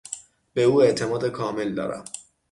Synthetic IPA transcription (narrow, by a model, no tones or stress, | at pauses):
beuːeʔt̪ʰe̞mɒːd̪ekʰɒːme̞ld̪ɒ̰ːɾæ̰m